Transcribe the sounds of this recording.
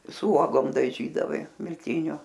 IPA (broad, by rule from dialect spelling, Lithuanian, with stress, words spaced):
sʊ ˈuɔɡoːm dɐˈʒʲiːdɐʋɐɪ mʲɪlʲˈtʲɪnʲʊ